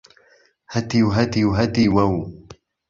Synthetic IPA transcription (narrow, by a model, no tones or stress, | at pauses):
had̪iwɦad̪iwɦad̪iwaw